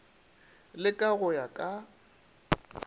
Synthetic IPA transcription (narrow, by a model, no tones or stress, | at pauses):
lɪkʼaɣʊjakʼa